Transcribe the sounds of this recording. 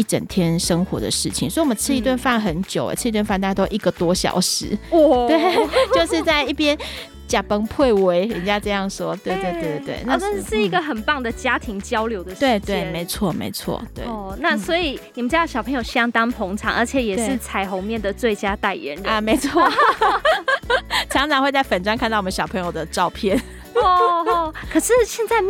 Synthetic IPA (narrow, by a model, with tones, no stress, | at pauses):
i˥˩ʈ͡ʂə̰˨˩nt̪ʰjɛ˥nʂə˥ŋxwɔ˧˥d̪ə̰˨ʂɻ̩˥˩t͡ɕʰi˨ŋswwmə˨˦t͡sʰɻ̩˥˧i˥˧t̪wa˥˧nfa˥˩nxə˧˦nt͡ɕjo˨˩ʊə̰˨˩t͡s̩ʰ˥˧i˧t̪wnfnt̪a˥˧ja˥˧t̪o˥ʔi˥˩ɡə˨t̪wɔ˥ɕjɑ̰˨˩ʊʂɻ̩˧˦wɔ˥˩t̪we˥˨˩ɪt͡ɕjo˥˧ʊʂɻ̩˥˧t͡sa˥˧ɪi˥˩pjɛ˦n | t͡ɕja˨˩pə˦ŋpʰwe˥˩ɪwe˧˥ɪɛ˨˩t͡ɕja˦ʈ͡ʂɤ˥˧jɑ˥˨˩ŋʂwɔ˦˥t̪we˥˧t̪we˥˧ɪt̪we˥˧˩t̪wḛ˥˩ɪna˥˧ə˥˩ʂɻ̩˥˩i˧˥ɡə˨xə˨˩npɑ˥˩ŋd̪ə˨t͡ɕja˦˥t̪ʰi˧˥ŋt͡ɕjɑ˥ʊljo˧˦ʊd̪ə˧˨we˥˧ɪt̪we˥˩ɪ˧me˧˥ɪt͡sʰwɔ˥˨mḛ˧˥ɪt͡sʰwɔ̰˥˩t̪wḛ˥˩ɪ˩na˥˨swɔ˧˥i˨˩ni˨˩ə˦nʈ͡ʂ̩ɻd̪ɕjɑ˨˩pʰɤ˧˦ŋjo˨˩ɕjɑ˥ŋt̪ɑ˥ŋpʰɔ˧˥ŋʈ͡ʂʰɑ̰˨˩ŋʔə̰˞˧˥t͡ɕʰjɛ˨˩˦jɛ˨˩ʂɻ̩˥˩t͡sʰa˧˥ɪxo˧˥ʊmjɛ˥˩nd̪ə˩t͡swe˥˩ɪt͡ɕja˥t̪a˥˩ɪɥɛ̰˧˦nɻi˨me˧˥ɪt͡sʰwɔ˥˩ | ʈ͡ʂʰɑ˧˥˦ŋʈ͡ʂʰɑ˧˥ŋxwe˥˧ɪt͡sa˥˩ɪfə˨˩nʈ͡ʂwa˥nkʰa˥˧t̪ɑ˥˩wɔ˨m˧˦ɕjɑ˨˩ʊpʰɤ˧˥ŋjo˨˩ʊd̪ə˩ʈ͡ʂɑ˥˧ʊpʰjɛ˥˨n | ɔ˥˩kʰɤ˨˩ʂɻ̩˥˧ɕjɛ˥˧nt͡sa˥˧ɪ